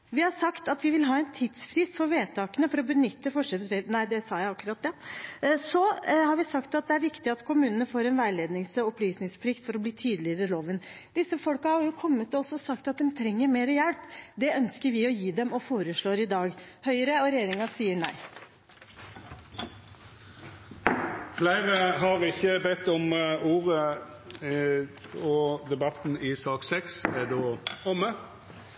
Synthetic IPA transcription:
ʋɪhɑʂɑkt̪ɑt̪ʋɪʋɪlɦɑːɛnt̪ʰɪd̪sfɾiːsfɔɾʋeːt̪ʰɑːkənəfɔɾɔbənʏt̪ːəfɔʂɛɛnæɪd̪ɛsɑːjæɪɑkːʉɾɑt̪̚d̪ɛ | sɔhɑɾʋɪsɑkt̪ɑt̪̚d̪ɛæɾʋɪkt̪ɪɑt̪kʰʊmʉːnənəfoːɾɛnʋæɪleːd̪nɪŋsɔɔplyːsnɪŋspʰlɪkt̪fɔɾɔbliːt̪ʰyːd̪əlɪəɾəloːʋənd̪̥ɪsːəfɔlkɑhɑɾjʊkʰɔmːət̪ɔɔsːɔsɑkt̪ɑt̪̚d̪ɛmt̪ʰɾɛŋːəɾmeːɾəjɛlpd̪ɛœnskəɾʋɪɔjiːd̪ɛmɔfoːɾəʂɭoːɾɪd̪ɑːɡhœʏəɾəɔɾɛjeːɾɪŋɑsiːəɳæ̰ɪ | flæɪʁəɦɑʁɪçəbɛt̪ːɔmuːʁə | ɔd̪ɛbɑt̪n̩ɪsɑːksɛksɛd̪oːɔmːə

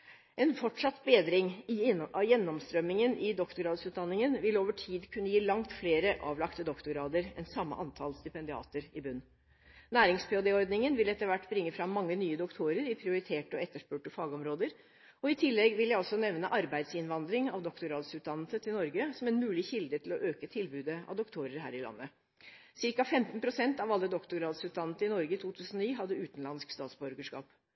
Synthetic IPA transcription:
ʔɛnfɔʈʂɑt̪ːbeːd̪ɾɪŋɪjɛnːɔmst̪ɾœmːɪŋənʔɪd̪ɔkt̪ʊɡɾɑːd̪sʉːt̪d̪ɑnːɪŋənʋɪloːʋəʈʰiːd̪kʰʉnːəjiːlɑŋt̪fleːɾəʔɑ̰ːʋlɑkt̪əd̪ɔkt̪ʊɾɑːd̪əɾɛ̰nsɑmːə̰ʔɑnt̪ʰɑlst̪ɪpɛnd̪ɪɑ̰ːt̪əɾɪbʉnː | næːɾɪŋspʰɛʊd̪ɛɔɾd̪nɪŋənʋɪlɛt̪ːəɾʋæʈːbɾɪŋːəfɾɑmːɑŋːənyːəd̪ʊkt̪ʰuɾəɾɪpʰɾɪʊɾɪt̪ʰeːʈəɔɛt̪ːəʂpøːʈəfɑːɡɔmɾoːd̪əɾ | ɔɪt̪ʰɪlːɛɡʋɪljæɪɔsːɔnɛʋnəʔɑɾbæɪd̪sɪnʋɑnd̪ɾɪŋɑ̰ʋd̪ɔkt̪ʊɾɑːd̪sʉːt̪̚d̪ɑnːəsət̪ʰɪlnɔɾɡəsɔmɛnmʉːlɪçɪld̪ət̪ʰɪlɔʔøːkət̪ʰɪlbʉːd̪əɑ̰ʋd̪ʊkt̪ʰuːɾəɾɦæ̰ːɾɪlɑ̰nːə | sɪɾkɑfɛmt̪npʰɾʊsɛnt̪ɑʋɑlːəd̪ɔkt̪ʊɡɾɑːd̪sʉːt̪̚d̪ɑnːət̪əɪnɔɾɡəɪt̪ʰuːt̪ʰʉːsən̩ɔniːɦɑd̪ːəʉːt̪n̩lɑnskst̪ɑːt̪sbɔɾɡəʂkɑ̰ːp

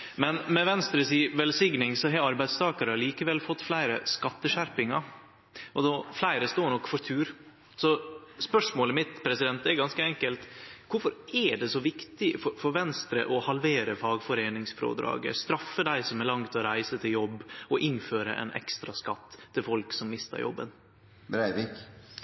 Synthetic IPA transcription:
mɛnmɛʋɛnst̪ɾəsiːʋɛlsɪɡnɪŋsɔɦɑɑɾbæɪst̪ʰɑːkəɾəɑliːkəʋɛlfɔt̪ːflæɪɾəskɑt̪ːəʂæɾpɪŋɑ | ʔɔd̪ɔflæɪɾəst̪oːɾɳɔkːfɔɾt̪ʰʉːɾ | sɔspœʂmoːləmɪt̪pʰɾɛsɪd̪ɛnt̪ɛɾɡɑnskəɛŋkəlt̪kʊɾfɔɾɛɖɛsɔʋɪkt̪ɪfɔɾfɔɾʋɛnst̪ɾə̰ʔɔhɑlʋeːɾəfɑːɡfɔɾeːnɪŋsfɾo̰ːd̪ɾɑ̰ːɡə̰st̪ɾɑfːəd̪æɪsɔmɛlɑŋt̪ʰɛɔɾæɪsət̪ʰɪljɔbːɔʔɪnføːɾə̰ʔɛ̰nʔɛ̰kst̪ɾɑskɑt̪ʰːɪlfɔlksɔmːɪst̪ə̰ɾjɔ̰bːə̰n | bɾæɪʋik

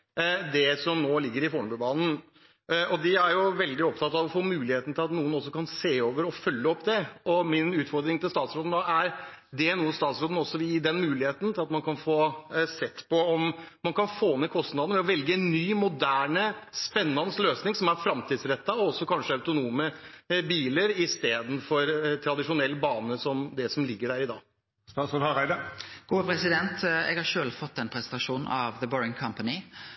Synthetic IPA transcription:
d̪ɛsɔmnoːlɪɡːəɾɪfoːɳəbʉbɑːnn̩ | ɔd̪ɪæɾjʊʋɛld̪ɪɔp̚t̪ʰɑt̪ːɑʋɔfoːmʉːlɪeːt̪n̩t̪ʰɪlɑt̪nuːənɔsːɔkɑnseːoːʋəɾɔfœlːəɔpːd̪ɛɔmɪnʉːt̪fɔɾd̪ɾɪŋt̪ɪlst̪ɑːt̪sɾoːd̪n̩oæɾ | d̪ɛnuːəst̪ɑːt̪sɾoːd̪n̩ɔsːɔʋɪɪd̪ɛnmʉːlɪheːt̪n̩t̪ʰɪlɑt̪mɑnkɑnfoːsɛt̪ːpɔɔmmɑnkɑnfoːmekʰɔst̪nɑd̪nəʋɛɔʋɛlɡəɛnːyːmʊd̪æːɳəspɛnːɑnəsløːsnɪŋsɔmæɾfɾɑmt̪iːd̪sɾɛt̪ːɑɔɔsːɔkʰɑnʂəɑʉt̪ʊnuːməbiːləɾɪst̪eːd̪n̩fɔɾt̪ʰɾɑd̪ɪʂʊnɛlːbɑːnəsɔmd̪ɛsɔmlɪɡːəɖæːɾɪd̪ɑ̰ː | st̪ɑːsɔlhɑɾæɪd̪əɡ̥uːpɾɛsɪd̪ɛnt̪ɛ̰ːɡhɑɾʂøːlfɔt̪ːɛnpʰɾɛsɛnt̪ɑʂuːn̩ɑʋðəbɔːɪŋkʰɑmpənɪ

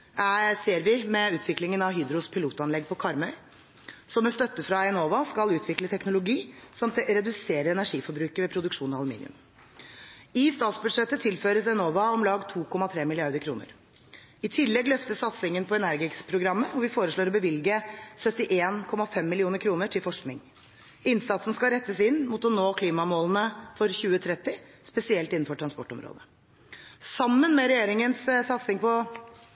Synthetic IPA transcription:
æseːɾʋɪmɛʉːt̪ʰʋɪklɪŋənɑʋɦyːd̪ɾʊspʰɪluːt̪ɑnlɛɡ̚pʰɔkʰɑɾmœʏ | sɔmɛnst̪œt̪ːəfɾɑɛnoːʋɑskɑlʉːt̪ʰʋɪklət̪ʰɛknʊlʊɡiːsɔmɾɛd̪ʉseːɾəɾɛnæʂiːfɔɾbɾʉːkəʋɛːpʰɾʊd̪ʉkʂuːnɔɑlʉmḭːnɪʉ̰m | ɪst̪ɑːt̪sbʉd̪ʂɛt̪ːət̪ʰɪlføːɾəsɛnoːʋɑɔmlɑːɡt̪ʰuːkʰɔmɑt̪ʰɾeːmɪlɪɑɾd̪əkʰɾuːnə̰ɾ | ɪt̪ʰɪlːɛɡlœft̪əssɑt̪sɪŋənpʰɔɛnæɾɡɪkspʰɾʊɡɾɑmːəɔʋɪfoːɾəʂɭoːɾɔbəʋɪlɡəsœt̪ːɪʔeːnkʰɔmːɑfɛmːɪlɪuːnəɾkʰɾuːnəʈʰɪlfɔʂknɪŋ | ɪnsɑt̪sn̩skɑɾɛt̪ːəsɪnːmuːt̪ɔnoːkʰliːmɑmoːlnəfɔɾçʉːət̪ʰɾɛt̪ːɪspɛsɪɛlt̪ɪnn̩fɔʈʰɾɑnspɔʈːɔmɾo̰ːd̪ə | sɑmːənmɛɾɛjeːɾɪŋənssɑt̪sɪŋpʰɔ

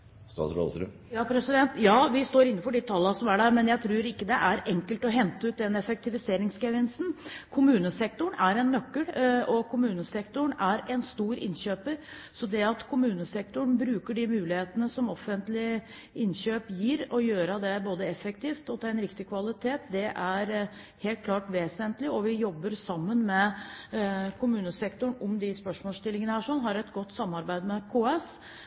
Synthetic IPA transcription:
st̪ɑ̰ːsɾo̰ːsɾʉ̰m | jɑːpʰɾɛsɪd̪ɛnt̪jɑːʋɪst̪oːɾɪnːəfɔɖɪt̪ʰɑlːəsɔmæɖæɾmɛnjæɪt̪ʰɾʉːɾɪkːəd̪ɛʔæɾɛŋkəlt̪ɔɦɛnt̪əʉːt̪̚d̪ɛnɛfɛk̚t̪ɪʋɪseːɾɪŋskɛʋɪnsn̩kʰʊmʉːnəsɛk̚t̪ʊɳæɾɛnːœkːəlɔkʰʊmʉːnəsɛkt̪ʊɳæɾɛnst̪uːɾɪ̰nɕøːpəɾ | sɔd̪ɛɑt̪kʰʊmʉːnəsɛk̚t̪ʊɳbɾʉːkəɖɪmʉːlɪheːt̪ənəsɔmɔfːənt̪lɪ | ɪnɕøːpjiːɾɔjøːɾəd̪ɛboːd̪əɛfək̚t̪ʰiːft̪ɔt̪ʰɛɾɛnɾɪkt̪ɪkʰʋɑlɪt̪ʰeːt̪d̪ɛʔæɾ | heːlt̪̚kʰlɑːʈʋeːsənt̪lɪɔʋɪjɔbːəɾsɑmːənmɛ | kʰʊmʉːnəsɛkt̪ʊɳɔmd̪ɪspœʂmɔːst̪ɪlːɪŋənəhæːʂɔnːɦɑɾɛt̪ɡɔt̪ːsɑmːɑɾbæɪd̪mɛkʰoːɛs

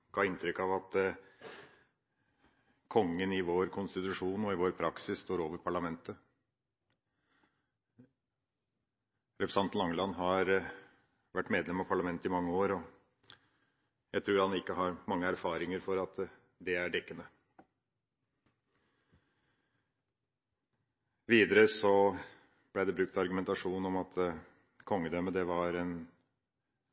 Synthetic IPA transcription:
ɡ̥ɑːɪnt̪ʰɾʏkːɑʋɑt̪ | kʰɔŋːənɪʋoːɾkʰʊnst̪ɪt̪ʉʂuːnɔɪʋoːɾpʰɾɑksɪsst̪oːɾoːʋəɾpʰɑɭɑmɛnt̪ə | ɾɛpʰɾəsɑnt̪nlɑŋlɑnɦɑɾ | ʋæʈːmeːd̪lɛmɑʋpʰɑɭɑmɛnt̪əɪmɑŋːəoːɾɔ | jæɪt̪ʰɾʉːɾhɑnɪkːəɦɑɾmɑŋːəæɾfɑːɾɪŋəɾfɔɾɑt̪ | d̪ɛæɖɛkːənə | ʋiːd̪əɾəsɔ | b̥læd̪ɛbɾʉk̚t̪ɑɾɡʉmɛnt̪ɑʂuːnnɔmɑt̪ | kʰɔŋːəd̪øːməd̪ɛʋɑɾɛn

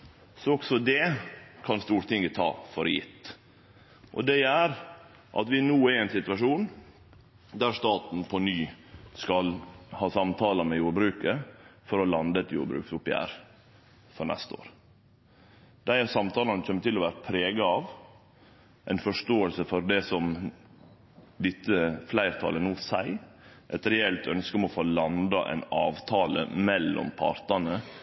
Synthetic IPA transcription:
sɔɔksɔd̪ɛkʰɑnst̪uːɾt̪ɪŋət̪ʰɑ̰ːfɔɾjɪ̰t̪ | ʔɔ̰d̪ɛæɾ | ʔɑ̰t̪ʋɪnuːæɾɛɪnsɪt̪ʉʋɑʂuːn | d̪æɾʂt̪ɑːt̪n̩pʰɔnyː | skɑlhɑːsɑmt̪ʰɑːləmɛjuːɾbɾʉːkəfɔɾɔlɑnd̪ət̪jṵːɾbɾʉ̰ːksʊpjæ̰ːɾ | fɔɾɳɛ̰st̪əo̰ːɾ | d̪̥æɪhæsɑmt̪ʰɑːlɑnəc͡çʰɛmːət̪ɪlːɔʋæːɾəpʰɾeːɡɑɑʋ | ʔæɪnfɔʂtoːəlsəfɔɾd̪ɛsɔm | d̪ɪt̪ːəflæɪɾt̪ʰɑ̰ːlənuːsæɪ | ʔɛt̪ɾɛɛlt̪ʰœnskəɔmɔfoːlɑnd̪ɑʔɛ̰ɪnɑ̰ːʋt̪ʰɑːlə̰mɛlːɔ̰mpʰɑ̰ɾt̪ɑnə

